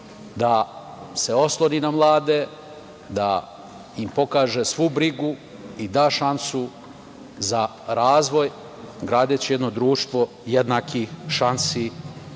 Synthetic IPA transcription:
d̪a | se̞o̞slˠoninamlˠaːd̪e | d̪a̰ | impo̞kaːʒesʋubɾiɡu | id̪aːʃansu | za | ɾaːzʋo̞j | ɡɾaːd̪et͡ɕijed̪no̞d̪ɾuːʃt̪ʋo̞ | jed̪nakixʃansiː

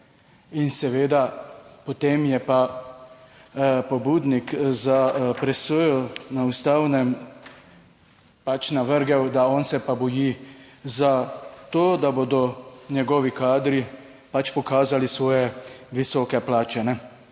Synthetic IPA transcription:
insɛʋeːd̪apɔt̪eːmjɛpa | pɔbuːd̪nikzapɾɛsojɔnaust̪awnɛm | pat͡ʃnaʋəɾɡɛwd̪aɔnsɛpabɔjizat̪oːd̪abod̪ɔnɛɡɔːʋikaːd̪ɾi | pat͡ʃpɔkaːzalisʋɔːjɛʋisɔːkɛplaːt͡ʃɛnɛ

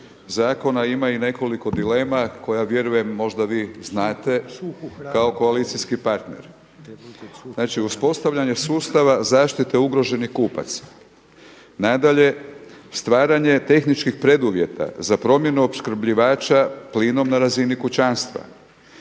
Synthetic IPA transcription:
zaːko̞naimaine̞ko̞liko̞d̪ile̞ːmako̞jaʋje̞ɾuje̞mːo̞ʒd̪aʋiːznaːt̪e̞kao̞ko̞alit̪siskipaɾt̪nḛɾ | znaːt͡ʃiuspo̞st̪aʋʎaɲe̞suːst̪aʋazaːʃt̪it̪e̞uɡɾo̞ʒe̞nixkuːpa̰t̪s | nad̪aʎe̞ | st̪ʋaːɾaɲe̞t̪e̞xnit͡ʃkixpɾe̞d̪uʋje̞t̪ʰa̰zapɾo̞mje̞nuo̞pskɾ̩bʎiʋaːt͡ʃapliːno̞mnaɾazinikut͡ɕanst̪ʋa̰

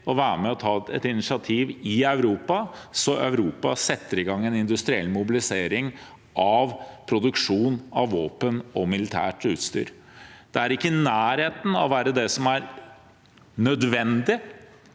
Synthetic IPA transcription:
ɔʋæːɾəmɛɔt̪ʰɑːɛ̰t̪ɪnɪʂɪɑt̪ʰiːʋɪœʉɾuːpɑsɔʔœ̰ʉɾuːpɑ̰sɛt̪ːəɾɪɡɑŋːɛnɪnd̪ʉst̪ɾɪɛ̰lːmʊbɪlɪseːɾɪŋ | ʔɑʋpʰɾʊd̪ʉkʂuːnɑʋʋoːpənɔmɪlɪt̪ʰæ̰ːʈʉːt̪st̪y̰ːɾ | d̪̥ɛæɾɪkːənæːɾheːt̪n̩ɔ̰ʋæːɾəd̪ɛsɔmæɾ | nœd̪ʋɛnd̪ɪ

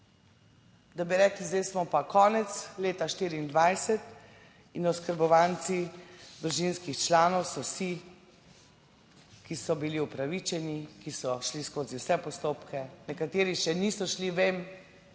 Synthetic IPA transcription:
d̪abiɾɛːklizd̪ɛjsmɔpakɔːnɛt̪sleːt̪aʃt̪iːɾiːnd̪ʋajsɛt̪ | inɔskəɾbɔʋaːnt̪sid̪ɾuʒinskixt͡ʃlaːnɔwsɔwsi | kisɔbiliupɾaʋit͡ʃɛnikisɔʃliskoːziwsɛpɔst̪oːpkɛnɛkat̪eːɾiʃɛnisɔʃliʋeːm

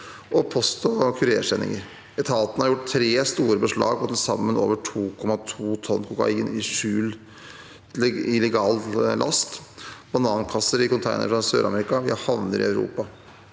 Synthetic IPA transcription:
ʔɔpʰɔst̪ɔkʰʉɾeːʂɛnɪ̰ŋəɾ | ɛt̪ʰɑːt̪ənəhɑɾjʊʈːt̪ʰɾeːst̪uːɾəbəʂɭɑ̰ːɡɔt̪ʰɛlsɑ̰mːəno̰ːʋəʈʰuːkʰɔmɑt̪ʰuːt̪ʰɔnːkʰuːkɑ̰ɪnɪʂʉːl | ɪlɛɡɑːllʔɑ̰st̪b̥ɑnɑːnkʰɑsːəɾɪkʊnt̪ʰæɪnə̰ɾfɾɔsø̰ːɾʔɑ̰mɛɾɪkɑʋɪhɑʋnəɾɪ̰ɑʉɾṵːpɑ

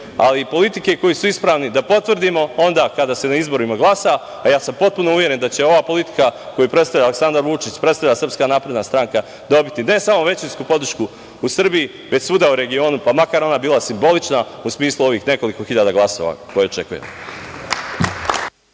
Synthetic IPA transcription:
a̰lipo̞lit̪ikeko̞jiːsuispɾaːʋnid̪apo̞t̪ʋrd̪imo̞o̞nd̪aːkad̪aːse̞naizbo̞ɾuimaɡlasa | ajaːsampo̞t̪̚puno̞uʋje̞ɾe̞nd̪at͡ɕe̞o̞ʋaːpo̞lit̪i̥kako̞jupɾet̪st̪aʋʎaːleksand̪aɾʋut͡ʃit͡ɕpɾet̪t̪aʎasrpskanaːpɾed̪nast̪ɾaŋka | d̪o̞bit̪ine̞samo̞ʋe̞t͡ɕinskupo̞d̪r̩ʃku | usr̩biji | ʋe̞t͡ɕsuːd̪auɾe̞ɡio̞ːnupamakaɾo̞nabiːlasimbo̞lit͡ʃnausmiːslˠuo̞ʋiːxne̞ko̞liko̞xiʎad̪aɡlˠaso̞̰ʋa̰ko̞jeo̞t͡ʃe̞kujḛmo̰

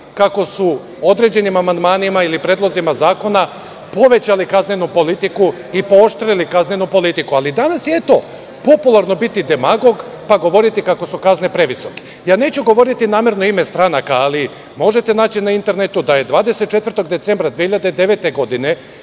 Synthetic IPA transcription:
kako̞su | o̞d̪ɾe̞d͡ʑe̞nimamand̪maːnimailipɾe̞ːd̪lˠozimazaːko̞na | po̞ʋe̞t͡ɕalikaznenupo̞lit̪iku | ipo̞oʃt̪ɾilikaznenupo̞lit̪ikualid̪anasjet̪o̞ | po̞pulˠaɾno̞bit̪id̪e̞maɡo̞ɡ | paɡo̞ʋo̞ɾit̪ikako̞sukaznepɾe̞ʋiso̞ke̥ | jaːne̞ːt͡ɕuɡo̞ʋo̞ɾit̪inaːme̞ɾno̞imest̪ɾanakaːli | mo̞ʒe̞t̪e̞naːt͡ɕinaint̪e̞ɾnet̪ud̪aje̞d̪ʋaːd̪e̞set̪̚t͡ʃe̞t̪ʋɾt̪o̞ɡd̪e̞t̪se̞mbɾad̪ʋiehiʎad̪ed̪e̞ʋe̞t̪e̞ɡo̞d̪ine̞

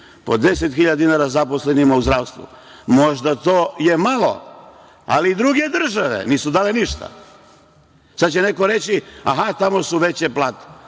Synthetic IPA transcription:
pod̪eset̪xiʎad̪inaɾazaposlenimauzd̪ɾaːʋst̪ʋṵ | mo̞ʒd̪at̪oːjemalo̰ | a̰liːd̪ɾuɡe̞d̪r̩ʒaʋe̞̰niːsud̪aːleniʃt̪a̰ | sad̪̚t͡ɕene̞ko̞ɾet͡ɕia̰ɦat̪amo̞suʋe̞t͡ɕeplaːt̪e̥

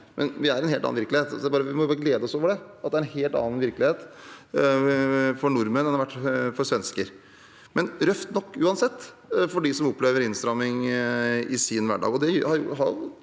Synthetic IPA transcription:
mʔɛnʋɪæɾɛnheːlɑ̰ːnʋɪɾklɪheːt̪sbɑːɾəʋɪmɔbɡleːd̪əɔsoːʋəɖɛɑt̪d̪ɛæɾɛnheːlt̪ɑ̰ːɑnʋɪɾklɪheːt̪ | fɔɳʊɾmənɛnhɑɾʋæʈːfɔɾsʋɛnskəɾ | mɛnɾœft̪nɔkːʉːɑnsɛt̪ː | fɔɖɪsɔmɔpːleːʋəɾɪnst̪ɾɑmːɪŋ | ɪsɪnʋæ̰ɖɑ̰ːɡɔd̪ɛjhɑɾjʊ̰ɦɑɾjʊ̰

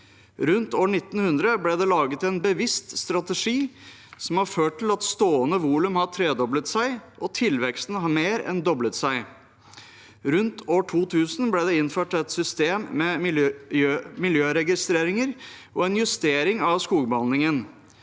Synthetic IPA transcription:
ɾʉnt̪oːɳɪt̪ːn̩hʉnd̪ɾəblɛd̪ɛlɑːɡət̪ɛnbəʋɪst̪st̪ɾɑt̪əʂiː | sɔmhɑɾføːʈʰːɪlɑt̪st̪oːənəʋuːlʉmhɑʈ̪ʰɾeːd̪ɔblət̪sæɪʔɔt̪ʰɪlʋɛkst̪ən̩əhɑmeːɾɛ̰nd̪ɔblət̪sæɪ | ɾʉnt̪ʰoːʈʰuːt̪ʰʉːsnblɛːd̪ɛɪnføːʈɛt̪sʏst̪eːmːɛ | mɪljøːɾɛɡɪst̪ɾeːɾɪŋəɾ | ʔɔɛnjʉst̪eːɾɪŋɑʋskuːɡbəɑnɪŋən

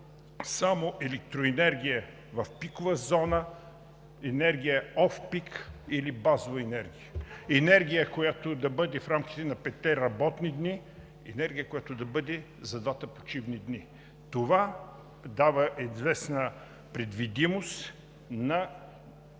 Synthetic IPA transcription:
samoʔɛlɛk̚t̪ɾoɛnɛɾɡʲijə | vɐfpikovəzɔnə | ɛnɛɾɡʲijəɔfpikilibazovɐɛnɛɾɡʲijəɛnɛɾɡ̟ʲijəkojat̪od̪ɐbɤd̪ɛfɾamk̟i̥t̪ɛnɐpɛt̪t̪ːɛɾɐbɔt̪nid̪ni | ɛ̰nɛɾɡ̟ʲijəkojat̪od̪ɐbɤd̪ɛ | zɐd̪vat̪ɐpot͡ʃivnid̪ni | t̪ova | d̪avɐʔizvɛsnə | pɾɛd̪vid̪imost̪ | nɐ

